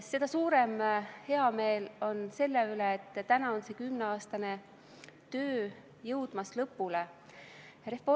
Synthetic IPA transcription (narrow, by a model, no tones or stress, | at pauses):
se̞d̪̥ɑsuːɾe̞mhe̞ɑme̞ːlo̞nse̞lːeyleːt̪ːt̪ænɑonse̞kymneɑːst̪ɑne̞ | t̪øː | jɤwd̪̥mɑslɤpːˑule | ɾefo